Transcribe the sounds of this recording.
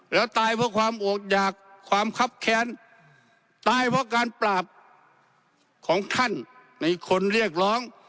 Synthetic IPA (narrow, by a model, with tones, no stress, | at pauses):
lɛː˧˥wt̪aː˧˩jpʰɔː˧˥kʰwaː˧˥mʔoː˨˩k̚t͡ɕaː˨˩kʰːwaː˧˥mkʰa˧˥p̚kʰɛː˧˥n | t̪aː˧jpʰɔː˧kaː˧nplaː˨˩p̚ | kʰɔː˨˦ŋt̪ʰa˧˥˨nː | a˧jkʰo˧˥nɾi˥˩ək̚lɔː˧˥ŋ